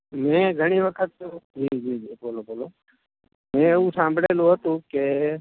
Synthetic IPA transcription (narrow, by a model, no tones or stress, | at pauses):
mɛ̃ɡʱəɽ̃iʋəkʰət̪̚ːd͡ʒʱid͡ʒid͡ʒeboloboːlo | mɛ̃eʋũsãːmbʱɽelũɦət̪ũke